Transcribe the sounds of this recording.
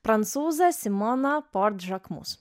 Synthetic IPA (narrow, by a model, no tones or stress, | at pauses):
pɾɐnt̪suːzɐsʲɪmɔnɐpɔɾt̪ʒɐkmṵs